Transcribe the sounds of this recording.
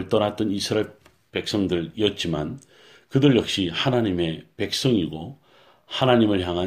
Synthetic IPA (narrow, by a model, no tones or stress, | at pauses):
ɯɭt͈ʌɾat̚t͈ʌnisʰɯɾae | pe̞k̚s͈ʌŋdɯɾiʌt̚t͡ɕ͈ima̰n | kɯdɯɭjʌk̚ɕ͈ihanaɲime̞pe̞k̚s͈ʌŋiɡo | hanaɲimɯɭçjaŋɦa